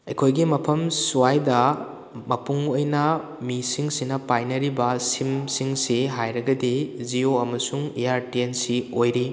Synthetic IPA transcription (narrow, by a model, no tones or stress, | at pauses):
ɐjkʰojɡimɐpʰɐmsuajdɐ | mɐpuŋojnɐ | misiŋsinɐpajnɐɾibɐsimsiŋsiɦajɾɐɡɐdizioɐmɐsuŋejaɾtiensiojɾi